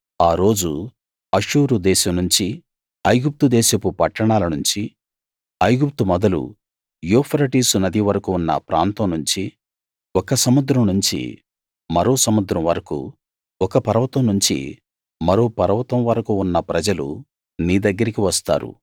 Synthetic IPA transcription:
aːɾo̞ːd͡ʒu | ɐʂuːɾud̪ɛːʃɐmnuɲt͡ʃi | ɐjɡup̚t̪ud̪ɛːʃɐpupɐʈːɐɳaːlɐnuɲt͡ʃi | ɐjɡup̚t̪umɔd̪ɐlṵ | joːpʰɐɾɐʈiːsunɐd̪iʋɐɾɐkuːnːɐ̰pɾʔa̰ːnt̪ɐmnuɲt͡ʃi | ɔkɐsɐmud̪ɾɐmnuɲt͡ʃḭ | mɐɾo̞ːsɐmud̪ɾɐmʋɐɾɐkṵ | ɔkɐpɐɾɐʋɐt̪ɐmnuɲt͡ʃḭ | mɐɾo̞ːpɐɾɐʋɐt̪ɐmʋɐɾɐkuːnːɐpɾɐd͡ʒɐlṵ | niːd̪ɐɡːɐɾikiʋɐst̪a̰ːɾṵ

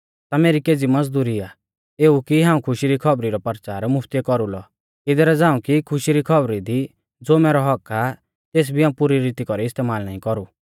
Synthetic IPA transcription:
t̪ameːɾikeːd͡zimɐd͡zd̪uːɾia | eːukiɦãːũkʰʊʃiɾikʰɔbɾiɾɔpɐɾt͡ʃaːɾmʊpʰt̪iɛkɔɾulɔ | ɪd̪ɛɾɛd͡zãːũkikʰʊʃiɾikʰɔbɾid̪i | d͡zoːmɛːɾɔɦɔka | t̪eːs̬bʱiaːũpuɾiɾiːt̪ikɔɾiɪst̪eːmaːlnaːĩkɔɾu

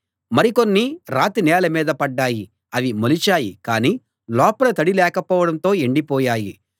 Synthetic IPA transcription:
mɐɾiko̞nːiɾaːt̪inɛːlɐmiːd̪ɐpɐɖːaːji | ɐʋimolit͡ʃaːjikaːniː | lɔːpɐlɐt̪ɐɽilɛːkɐpɔːʋɐɽɐnt̪o̞ːeɳɖipɔːjaːjḭ

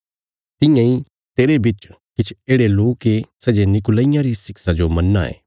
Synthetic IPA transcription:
t̪ɪ̃jãi | t̪eːɾebɪt͡ʃ | kɪt͡ʃʰeːɽeloːkːesɛd͡ʒenɪk̬ʊlaijãɾisɪksad͡ʒomɐnːa̰ḛː

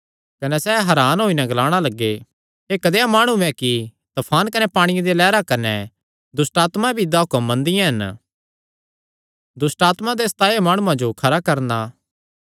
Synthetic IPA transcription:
kɐnɛsɛːɦɐɾaːnɦoːinɛɡɐlaːɽ̃alɐɡːe | ɦeːkɐd̪eamaːɽ̃ũɛ̃ki | t̪ɐpʰaːnkɐnɛpaːɽ̃ɪjãd̪elɛːɾakɐnɛ | d̪ʊsʈaːt̪mabʱid̪aːʊkɐmːɐ̃nd̪ɪjãɦɐn | d̪ʊsʈaːt̪mad̪eːst̪aːemaːɽ̃uãd͡ʒokʰɐɾakɐɾnaː

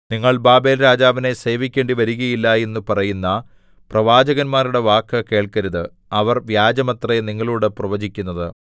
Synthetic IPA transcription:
niŋːɐɭbaːbeːlɾaːd͡ʑaːʋine̞se̞ːʋikʲːe̞ːɳɖiʋɐɾuɣɐjilːɐe̞nːupɐrɐjunːɐ | prɐʋaːd͡ʑɐɣɐnmaːɾuɽe̞ʋaːkːɐke̞ːɭkɐɾuðɨ | ɐʋɐrʋjaːd͡ʑɐmɐt̪rɐeniŋːɐɭuːɽeprɐʋɐd͡ʑikʲːunːɐðɨ

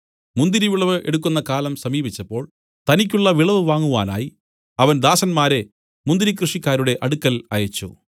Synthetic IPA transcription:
mund̪iɾiʋiɭɐʋɨʔe̞ɽuk̬ːunːɐkaːlɐmsɐmiːbit͡ɕːɐpːo̞ːɭ | t̪ɐnik̬ʲːuɭːɐʋiɭɐʋɨʋaːŋːuɣa̰ːna̰ːji | ɐʋɐnd̪aːsɐnmaːɾe̞ | mund̪iɾik̬rɨʂikʲːaːɾuɽe̞ʔɐɽukːɐlɐjɐt͡ɕːṵ

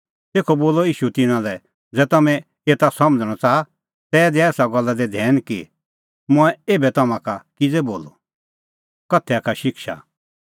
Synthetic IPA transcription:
t̪eːkʰɔboːlɔiːʃut̪ɪnãlɛ | d͡zɛːt̪ɐmɛ̃ | et̪asɐməd͡zəɽ̃ɔt͡saːa | t̪ɛːd̪iɛːsaɡɔlːad̪ɛd̪ʱɛːnki | mʊ̃ɛeːbɛt̪ɐmãkakid͡zɛboːlo̰ | kɐt̪ʰːɛakʰaʃɪkʃa̰

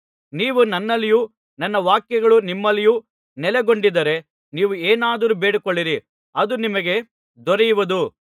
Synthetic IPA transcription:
niːʋunɐnːɐlːiju | nɐnːɐʋaːkjɐɡɐɭunimːɐlːiju | nɛlɛɡo̞ɳɖid̪ɐɾe̞ | niːʋueːnaːd̪ɐɾubeːɽikoɭːiɾi | ɐd̪unimɐɡe̞ | d̪ɔɾɛjuʋɐd̪u

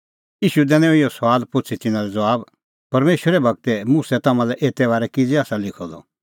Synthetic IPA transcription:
iːʃud̪ɛnɛ̃ɔ̃ɪjɔsʋaːlpʊt͡sʰit̪ɪnãlɛd͡zɐʋaːb | pɐɾmeːʃwəɾɛbɐɡ̚t̪ɛmusɛt̪ɐmãlɛʔeːt̪ɛbaːɾɛkɪd͡ziaːsalɪkʰɔd̪ɔ̰

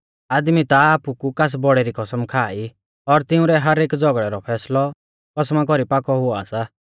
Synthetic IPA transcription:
aːd̪mit̪aaːpukukas̬bɔɽeɾikɔsəmkʰaːi | ɔɾt̪ɪũɾɛɦɐɾeːkd͡zɔɡɽɛɾɔpʰɛːslɔ | kɔsmakɔɾipakɔɦʊa̰ːsa

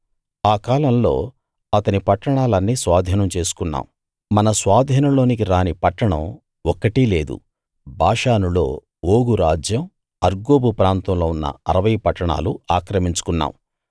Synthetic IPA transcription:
aːkaːlɐmlo̞̰ː | ɐt̪ɐnipɐʈːɐɳaːlɐnːiːsʋaːd̪ʱiːnɐmt͡ʃe̞ːsu̥kunːa̰ːm | mɐnɐsʋaːd̪ʱiːnɐlo̞ːnik̬iɾaːnipɐʈːɐɳɐ̰m | ɔkːɐʈiːle̞ːd̪ṵ | bʱaːʂaːnulo̞ː | oːɡuɾaːd͡ʒjɐm | ɐɾɡoːbupɾaːnt̪ɐmloːunːɐ̰ɐɾɐʋɐjpɐʈːɐɳa̰ːluaːkɾɐmiɲt͡ʃu̥kunːa̰ːm

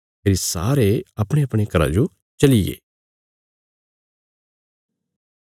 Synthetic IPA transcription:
eːɾisa̰ːɾeɐpɽ̃eɐpɽ̃ekɐɾa̰d͡ʒo | t͡ʃɐliɡḛː

